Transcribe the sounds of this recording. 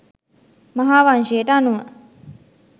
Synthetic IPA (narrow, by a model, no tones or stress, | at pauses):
mɐɦaːʋanʃeːʈanuə